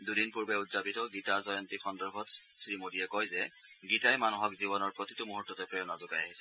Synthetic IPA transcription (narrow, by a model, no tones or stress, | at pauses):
dudinpuɹbɛutz̥apitɔɡitazɔjɔntixɔndɔɹbʱɔtsɹimodijɛkɔjzɛ | ɡitajmanuɦɔkziβɔnɔɹpɹotitumuɦutːɔtɛpɹɔjɔnɔzʊɡajaɦisɛ